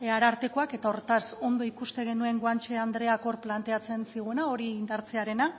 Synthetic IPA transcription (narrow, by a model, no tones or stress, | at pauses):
aɾaɾt̪e̞koake̞t̪ao̞ɾet̪aso̞nd̪o̞ikust̪e̞ɣ̞e̞nue̞ŋɡwant͡ʃe̞and̪ɾe̞ako̞ɾplant̪e̞at͡se̞nsiɣ̞uenao̞ɾiːnd̪aɾt͡seaɾe̞na